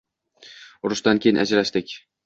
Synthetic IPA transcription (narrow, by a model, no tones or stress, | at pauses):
ʊɾʊʃd̪ankʲʰejɪnʔa̰d͡ʒɾaʃd̪ɪkʲ